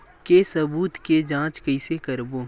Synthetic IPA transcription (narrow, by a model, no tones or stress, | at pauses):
kesɐbuːt̪ked͡ʒãːt͡ʃkɐɪsekɐɾboː